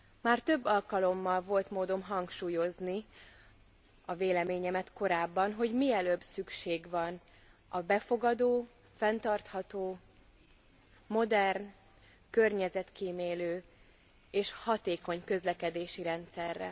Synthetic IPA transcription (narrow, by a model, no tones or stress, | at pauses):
maːrt̪ø̞bːɒlkɒlo̞mːɒlvo̞lt̪moːd̪o̞mɦɒŋkʃuːjo̞zni | ɒveːlɛmeːɲɛmɛt̪ko̞ɾaːbːɒnɦo̞ɟmiɛløːbsykʃeːɡvɒn | ɒbɛfo̞ɡɒd̪oː | fɛnt̪ɒrt̪hɒt̪oː | mo̞d̪ɛrn | kørɲɛzɛt̪kiːmeːløː | eːʃhɒt̪eːko̞ɲkø̞zlɛkɛd̪eːʃiɾɛnt̪sɛrːɛ̰